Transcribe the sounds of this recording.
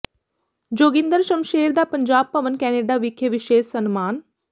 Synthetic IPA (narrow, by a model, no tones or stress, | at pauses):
d͡ʒoːɡɪ̃nd̪əɾʃəmʃeːɾd̪aːpəɲd͡ʒaːb̚pəʋənkɛːneːɖaːʋɪkʰeʋɪʃeːʃsənmaːn